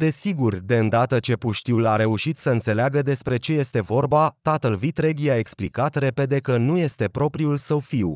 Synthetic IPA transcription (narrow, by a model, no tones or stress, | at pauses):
d̪e̞siɡurd̪e̞ɨnd̪at̪ət͡ʃe̞puʃt̪iwlaɾe̞uʃit̪səɨnt̪se̞leaɡəd̪e̞spɾe̞t͡ʃe̞je̞st̪e̞vo̞rbat̪at̪əlvit̪ɾe̞ɡjae̞ksplikat̪re̞pe̞d̪e̞kənuje̞st̪e̞pɾo̞pɾiulsəwfiw